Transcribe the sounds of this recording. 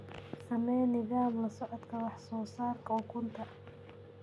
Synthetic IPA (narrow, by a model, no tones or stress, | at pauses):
sɐmɛjnɪðaːmlɐsɔʕɔd̪kʰɐwɑħsɔːsaːrkʰɐʊkʰʊnt̪ʰɐ